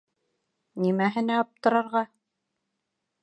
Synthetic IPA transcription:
nimæɦɘ̆næɑp̚t̪ɤ̆ɾɑ̆ɾʁɑ

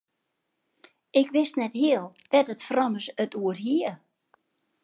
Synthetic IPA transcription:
ɪkʋɪstnɛthiəlˠʋɛtətfrɔnəsətuərɦiə

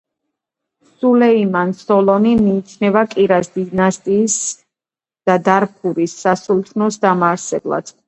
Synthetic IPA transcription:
sulɛimansɔlɔnimiːt͡ʃʰnɛbakʼiɾasd̪inast̪ʼiːs | d̪̥ad̪aɾpʰuɾisːasulˠt̪ʰnɔsd̪amaɾsɛblˠa̰d̪̥

